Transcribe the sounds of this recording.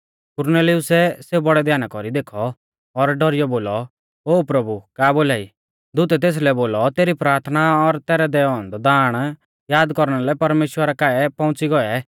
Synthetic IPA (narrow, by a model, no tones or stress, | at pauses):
kʊɾnɛːlɪʊsɛseːubɔɽɛd̪ʱjaːnakɔɾid̪eːkʰɔː | ɾɖɔɾɪjɔboːlɔ | oːpɾɐbukaːboːlaːi | d̪ʊt̪ɛt̪̬eːs̬lɛboːlɔt̪eːɾipɾaːɾt̪ʰnaɔɾt̪ɛːɾɛd̪ɛɔ̃nd̪ɔd̪aːɽ̃ | jaːd̪kɔɾɽ̃alɛpɐɾmeːʃwəɾakaːɛpɔ̃ʊ̃t͡siɡɔɛ